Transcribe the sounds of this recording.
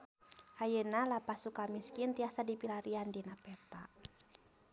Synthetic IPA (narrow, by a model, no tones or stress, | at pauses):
hajənalapasukamiskint̪iasadipilaɾiandinapɛt̪a